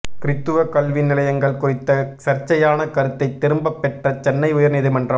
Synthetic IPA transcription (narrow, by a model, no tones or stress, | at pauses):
kɪɾɪt̪ːɯʋɐkɐlʋɪnːɪlɐjɐŋɡɐɭkʊrɪt̪ːɐsɐɾt͡ʃːɐjaːnɐkɐɾɯt̪ːɐɪt̪ːɪɾɯmbɐpːɛʈrɐt͡ʃɛnːɐɪʊjɐɾniðɯmɐndrɐm